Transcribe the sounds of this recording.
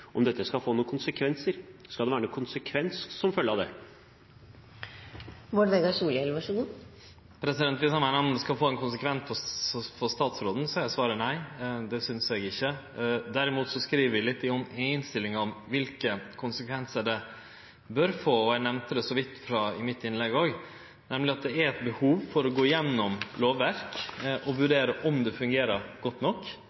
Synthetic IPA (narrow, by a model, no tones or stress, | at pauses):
ʔɔ̰md̪ɛt̪ːəskɑfoːnuːkʰʊnsəkʰʋɛnsəɾskɑld̪ɛʋæːɾənuːkʊnsəkʰʋɛnsːɔmfœlːəɑʋd̪ɛ̰ | mɔɖʋeːɡɑʂuːlɛlʋɑʂəɡuː | pʰɾɛsɪd̪ɛnt̪ʋɪsɑnmɛnɔmənd̪ɛskɑlfoːɛnkʰʊnsəkʰʋɛnsfʰɔfɔst̪ɑːt̪sɾoːd̪n̩sɑæsʋɑːɾənæɪd̪ɛsʏnseːɡɪçːə | d̪æɾɪmuːt̪sɔskɾiːʋəɾʋɪlɪt̪ːɪɔmeɪnst̪ɪlːɪŋɾɔmʋɪlkəkʰʊnsəkʰʋɛnsəɖɛ | bœɾfoːɔænɛmnt̪əd̪ɛsɔʋɪt̪ːfɾɑɪmɪt̪ːɪnlɛɡoːɡ | nɛmlɪɑt̪̚d̪ɛæɾɛt̪bəhuːʋfɔɾɔɡoːɪjɛnːɔmloːʋːæɾkʔɔʋʉɖeːɾəʔɔmd̪ɛfʉŋɡeːɾəɾɡɔt̪ːnɔkː